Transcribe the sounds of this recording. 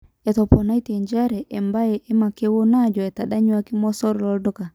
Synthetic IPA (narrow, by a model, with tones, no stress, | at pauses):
ɛ˨tɔ˨pɔ˨na˦i˦tɛ˨ɲd͡ʒa˦ɾɛ˨ʔɛ˨mba˦jɛ˨ʔɛ˦ma˨ke˦wo˦na˦˨d͡ʒɔ˨ɛ˨ta˨da˦ɲwa˦ki˦mɔ˦sɔ˦ɾɔ˨lɔ˨dɔ˦ka˨